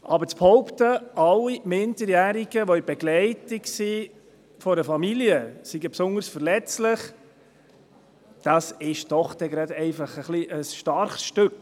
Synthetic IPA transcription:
ʔɑbəɾt͡sphɔʊpt̪əʔɑlːimɪndəɾjæːɾiɡəʋɔibɛɡlɛɪtɪksi | fɔɾəfɑmiljəsiɡəpsʊndəɾsfəɾlɛt͡slɪχ | d̪̥ɑsɪʃd̥ɔχd̥ɛɡɾɑd̪ɛɪfɑχəχliʔəsʃtɑɾχsʃtɵk

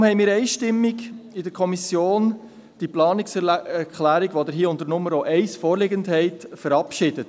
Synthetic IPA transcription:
mhɛɪmɪːɾɛɪʃtɪmːiɡɪdəɾkʰɔmisjoːn | d̥iplɑːnɪksɛkʰlæːɾiɡʋodəɾɦiːəʊndəɾnʊmːəɾoʔɛɪsfoːɾlɪɡəndhɛɪtfəɾɑpʃɪd̥ət

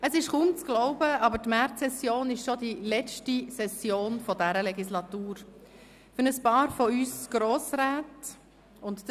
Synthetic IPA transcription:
əsɪʃkʊmt͡sɡ̥lɔʊbəʔɑbətmæɾtsɛsjoːnɪʃʃɔdilɛt͡ʃtisɛsjoːnfɔdæɾəlɛɡislɑtuːɾ | fʏɾnəspɑːɾfɔyːsɡ̥ɾoːsɾaːt | ʊnt

